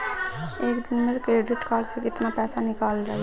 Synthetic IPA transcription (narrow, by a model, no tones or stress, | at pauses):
ekd̪inmeɾkɾeɖiʈkalsikit̪napɛsanikalɾəɦɛ